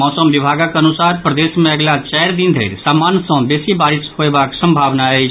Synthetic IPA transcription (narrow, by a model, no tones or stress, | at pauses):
ɔsəmʋibʱaɡakənusaɾpɾəd̪esmẽəɡlat͡ʃɛjɾd̪ind̪ʱḛːɾsaːmaːnsɔ̃besibaːɾishoebaksə̃mbʱaːʋnae